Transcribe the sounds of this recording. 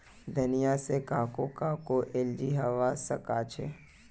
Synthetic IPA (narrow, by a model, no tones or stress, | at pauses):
d̪ʱənijasekaːkokaːkoʔeld͡ʒiɦɐʋasəkat͡ʃʰe